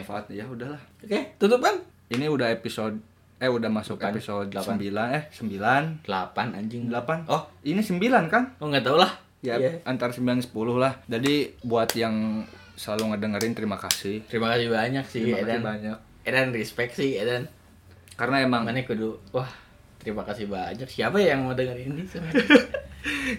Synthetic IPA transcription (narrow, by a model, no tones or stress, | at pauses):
faːt̪̚jaudahlahoket̪ut̪upan | iniudaɦepisod̚ | ɛudahmasʊkepisodasəmbilanɛhsəmbilandəlapana̰ɲd͡ʒɪŋdəlapanɔhinisəmbilankanɔŋɡat̪aulah | jaant̪aɾasəmbilansə̥pulʊhlahd͡ʒadibuat̪jaŋ | səlaluŋədəŋəɾɪnt̪əɾimakasɪht̪əɾimakasihbaɲaksɪimakadanbaɲak̚ | edanrispɛk̚sihedan | karənaemaŋmanɛkuduwah | t̪əɾimakasihbaɲaksiapajjaŋmədəŋəɾinisa